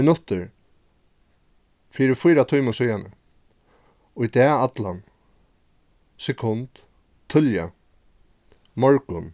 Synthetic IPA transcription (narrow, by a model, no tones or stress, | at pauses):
ɪnʊt̪əɾ | fiːɾɪfʊjɾat̪ʰujməsʏjanə̰ | ʊjt̪ɛːat̪lan | sɛkʰʊnt̪ | t̪ʰːʏlja̰ | mɔɹkʊn